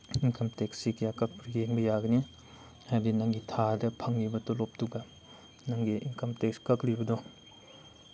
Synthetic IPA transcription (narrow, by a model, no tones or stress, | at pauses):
inkʰɐmteksikjakɐk̚pɾɡeŋbɐjaɡɐni | hajdinɐŋɡitʰadɐpʰɐŋːibɐtolop̚tuɡa | nɐŋɡiʔḭnkɐmtek̚skɐklibɐdɔ